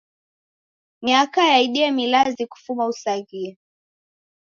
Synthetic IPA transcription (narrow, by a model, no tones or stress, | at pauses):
miakajaiɗiɛmilaziku̥fumausaɣia